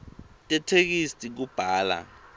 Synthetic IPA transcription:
tʼɛtʰek̬isʼik̬ub̥ʱaːla̰

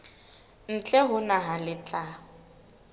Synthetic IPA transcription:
n̩t͡ɬʼɛɦʊnaɦalɪt͡ɬʼa

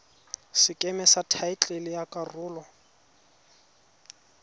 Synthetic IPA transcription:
sɪkʼɛmɛsatʰaɪt͡ɬʼelɪjakʼarʊːlɔ

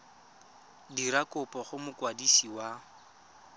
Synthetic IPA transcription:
diɾakʊpʼɔχʊmʊkwadisiwa

